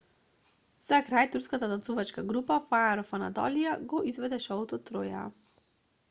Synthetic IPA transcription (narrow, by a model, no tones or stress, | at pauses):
z̥akɾajt̪uɾskat̪ad̪asuvat͡ʃkaɡɾupafaaɾɔfana̰d̪ɔ̰lijaɡɔʔizvɛd̪ɛʃɔɔt̪ɔt̪ːɾoja̰